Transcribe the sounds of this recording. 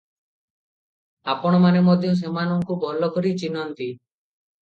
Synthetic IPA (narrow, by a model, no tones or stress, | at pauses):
apɔɽ̃ɔmanemɔd̪ʱiũs̬emanɔŋkubʱɔlɔkɔɾit͡ʃinɔnt̪i